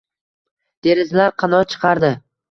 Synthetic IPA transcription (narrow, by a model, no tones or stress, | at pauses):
d̪̥e̞ɾɪzlaɾqʰɑnɒɾt͡ʃʰɨ̥qʰɑɾd̪ɪ